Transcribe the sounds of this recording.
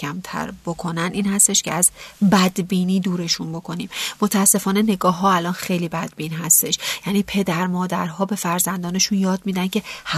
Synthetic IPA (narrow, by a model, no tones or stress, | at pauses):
æmt̪ʰæ̰ɾb̥okʰo̞næniːnhæst̪e̞ʃcʰeæzbæd̪biːniːd̪uːɾe̞ʃunbo̞kʰo̞niːmmot̪ʰææsːe̞fɒːne̞ne̞ɡɒːɦːɒːælɒːnxejliːbæd̪̚biːnɦæst̪e̞ʃjæniːpʰe̞d̪æɾmɒːd̪æɾɦɒːbe̞fæɾzænd̪ɒːne̞ʃunjɒːd̪̚miːd̪æncʰe̞h